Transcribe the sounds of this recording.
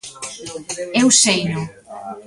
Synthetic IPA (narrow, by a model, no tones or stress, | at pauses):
ewsejno